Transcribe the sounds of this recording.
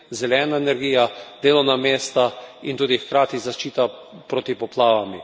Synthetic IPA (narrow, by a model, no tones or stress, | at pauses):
zɛlɛːnaenɛɾɡiːjad̪̥eːlɔwnameːst̪aint̪uːd̪ixkɾaːt̪izaʃt͡ʃiːt̪apɾot̪ipɔplaːʋami